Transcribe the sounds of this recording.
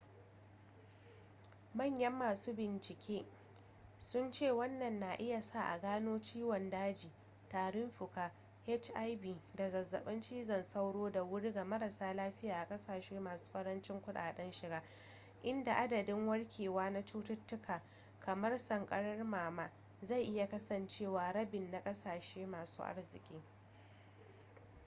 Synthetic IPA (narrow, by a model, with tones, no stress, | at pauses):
mɐ˦˨ɲjɐ˦mːaː˨suː˦bɪ˨nt͡ʃɪ˨kʲʰeː˦ | sʊ˦nt͡ʃeː˦˨wɐ˦nːɐ˨nːa˨ʔɪ˦ja˨sa˦˨ʔa̰˨ɡaː˦noː˦t͡ʃiː˦wɔ˨ndaː˦d͡ʒiː˨ | taː˨ɽɪ˦mɸʊ˨kaː˦ | hɛ˦t͡ʃʔa˦jbiː˨da˨zɐ˨zːɐ̰˨ɓɐ˦nt͡ʃiː˦zɐ˦nsa˦wɽoː˦da˨wʊ˦ɽiː˦ɡa˨mɐ˦ɾɐ˨saː˦laː˦ɸɪ˦jaː˨ʔa˨kʼɐ˦saː˨ʃeː˦maː˨su̥ː˦ɸɐ˦ɽɐ˦nt͡ʃɪ˦ŋkʷʊ˦ɗa̰ː˨ɗɐ˦nʃɪ˨ɡaː˦ | ʔɪ˦nda˨ʔa˦dɐ˨dɪ˦ŋwɐ˦ɽkʲʰeː˨waː˦na˦t͡ʃuː˦tʊ˦tːʊ˦kʰaː˨ | kʰɐ˨mɐ˦rsɐ˨ŋkʼɐ˦ɽɐ˦rmaː˨maː˦ | za˦˨jʔɪ˦ja˨kɐ˦sɐ˨nt͡ʃeː˦˨waː˨ɽɐ˦bɪ˨nːa˨kʼɐ˦saː˨ʃeː˦maː˨sṵː˦ʔa̰˦rzɪ˨kʲʼiː˦